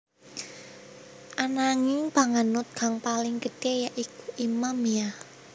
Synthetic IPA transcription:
ʔanaŋɪŋb̥a̤ŋanʊt̪̚ɡ̥a̤ŋpalɪŋkətejaʔikuʔimamiah

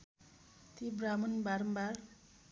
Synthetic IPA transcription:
t̪ibramʌnbaɾʌmbar

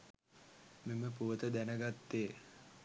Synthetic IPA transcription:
meməpuʋət̪əd̪ænəɡat̪ːeː

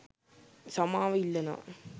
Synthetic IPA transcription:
sɐmaːʋɐilːɐna̰ː

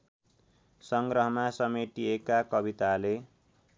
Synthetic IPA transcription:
sʌŋɡrʌɦʌmasʌmeʈiekakʌbit̪ale

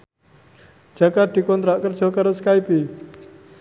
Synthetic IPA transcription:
d͡ʒəkaʈ̪ikont̪ɾakəɾt͡ʃokaɾəskajpi

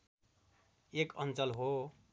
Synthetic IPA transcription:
ekʌnt͡sʌlɦo

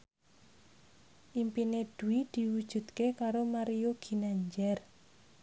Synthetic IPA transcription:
ʔimpined̪̥uwid̪̥i̤wud̥ʒ̥ṳd̪kekaɾomaɾioɡ̥i̤naɲd͡ʒɛr

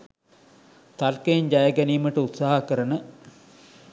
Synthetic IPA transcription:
t̪alkəeɲd͡ʑajəɡæniːməʈəut̪saːɦakəɾənə

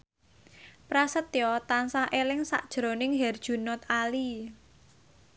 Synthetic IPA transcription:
pɾasət̪jɔt̪ansaʔelɪŋsa̰ʔd̥ʒ̥ɾo̤nɪŋɦɛrd̥ʒ̥ṳnɔt̪ali

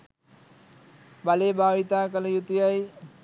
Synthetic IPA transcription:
baleːbaːɭit̪aːkəlɐjut̪ijaj

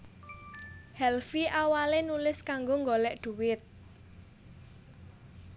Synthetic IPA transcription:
hɛlfiʔawalenulɪskaŋɡoŋɡolɛʔɖ̪̥ṳwɪt̪̚

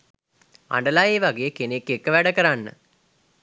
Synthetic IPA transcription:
a̰ɳɖɐlaːjeːʋaɡejekenekːekːəʋæɽɐkɐɾanːə̰

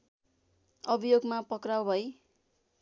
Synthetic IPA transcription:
ʌbʱijoɡmapʌkrawbʱʌj

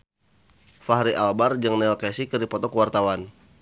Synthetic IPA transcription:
faɦɾiʔalbard͡ʒəŋnɛlkɛsikərdipɔt̪ɔkəwart̪awan

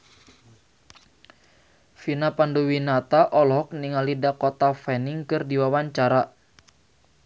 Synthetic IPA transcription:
finapanduwinat̪aʔɔlɦɔk̚niŋalidakɔt̪afɛniŋkɨrdiwawaɲt͡ʃaɾa

